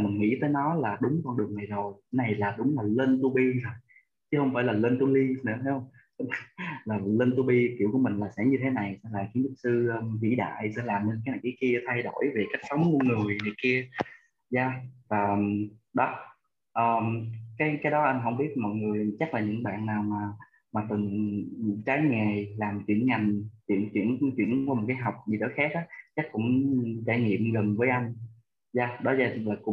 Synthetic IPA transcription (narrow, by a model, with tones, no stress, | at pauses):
mi˨˩nŋḭ˧˥t̪əː˨˦jnɔ˨˦laː˨˩ɗʊ˨˦ŋ͡mkɔ˧nɗɨ˨˩əŋna˨˩jzo˨˩jna˨˩jlaː˨˩ɗʊ˨˦ŋ͡mlaː˨˩ləː˧nt̪u˧ɓi˧zə˨˩j | t͡ɕɨ˨˦hə˧wŋ͡mfaː˧˩jlaː˨˩ləː˧nt̪u˧li˧nɨ̰˧˥ət̪ʰa˧jhə˧wŋ͡m | laː˨˩lə˧nt̪u˧ɓi˧ki˧˨əwku˧˩mï˨˩ŋ̟laː˨˩sɛ̰˧˥ɲɨ˧t̪ʰe˨˦na˨˩jsɛ˧laː˨˩t͡ɕŋlʊ˦˥k̚sɨː˧vḭ˧˥ɗa̰ː˧˨jsɛ̰˧˥laː˨˩mnə˧nka˨˦na˨˩ki˧˦ki˧ət̪ʰa˧jɗo˧˩˨jve˨˩ka˦˥k̚sə˨˦wŋ͡mku˧˩əŋɨ˨˩əŋɨ˨˩əjŋɨ˨˩jki˧ə | zaː˧vaː˨˩ɗɔ˨˦ | ʔəː˨˩kaː˨˦jkaː˨˦jɗɔ˨˦ʔa˧jŋ̟ɦə˧˩wŋ͡mɓi˦˥ət̚mɔ̰˧˨jŋɨ˨˩əjt͡ɕa˦˥k̚laː˨˩ɲɨ̰˧˥ŋɓa̰ː˧˨nːaː˨˩wmaː˨˩ | maː˨˩t̪ɨ˨˩n˨t͡ɕaː˨˦jŋɛ˨˩laː˨˩mt͡ɕwḭ˧˩ənŋa˨˩jŋ̟t͡ɕḭ˧˩ənt͡ɕwḭ˧˩ən˧t͡ɕwḭ˧˩ənku˧˦mo˨˩t̚kaː˨˦jɦwk͡p̚ɲi˨˩ɗə̰˧˨˦jxaː˦˥k̚ʔaː˨˦t͡ɕa˦˥k̚kʊ̰˧˥ŋ͡mt͡ɕaː˧˨jŋḭ˧˨əmzə˨˩ŋvəː˨˦jʔa˧jŋ̟ | zaː˧ɗɔ˨˦zaː˧˩˨laː˨˩kʊ̰˧˥ŋ͡m